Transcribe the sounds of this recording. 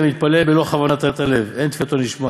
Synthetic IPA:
mit̪̚palebelo̞χavanat̪at̪ale̞vent̪fit̪onliʃma

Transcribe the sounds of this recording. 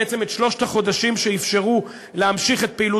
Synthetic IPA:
et͡se̞metʃlo̞ʃtaχo̞daʃimʃeifʃe̞ʁu | lehamʃiχet̚peilu

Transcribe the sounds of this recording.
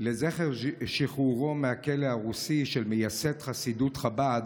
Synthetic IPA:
lezeχeʁʃiχuʁo̞mehakelehaʁusiʃelmejasetχasidut̪χabad̪

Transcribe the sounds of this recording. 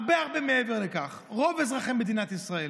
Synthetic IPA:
bɛaʁbɛmeɛvɛʁlɪkaχ | ʁɔvɛs̬ʁaχɛmbɪd̪iːnat̪isʁaɛ

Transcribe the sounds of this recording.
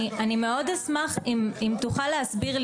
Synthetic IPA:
anime̞o̞d̪asmaχimimt̪uχalːeasbiʁl

